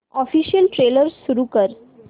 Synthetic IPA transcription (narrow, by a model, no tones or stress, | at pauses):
ɔfiːɕijəlʈɾeləɾsːuɾukəɾ